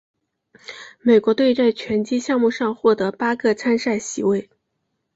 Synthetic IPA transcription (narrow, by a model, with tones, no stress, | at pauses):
me˨˩ɪkwɔ˧˥t̪we˥˧ɪt͡sa˥˩ɪt͡ɕʰɥɛ˧˥nt͡ɕi˥ɕjɑ˥˧ŋmu˥˧ʂɑ˥˧ŋxwɔ˥˩t̪ɤ˧˥pa˥kʰɤ˥˧t͡sʰa˥nʂa˥˩ɪɕḭ˧˥we˥˩ɪ